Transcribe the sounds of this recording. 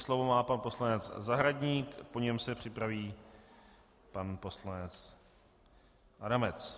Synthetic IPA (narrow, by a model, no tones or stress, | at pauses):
slo̞vomaːpanpo̞slanɛt͡szaɦɾaɟɲiːkpo̞ɲɛmsɛpr̝̥ɪpɾaviː | panpo̞slanɛt͡s | ʔadamɛt͡s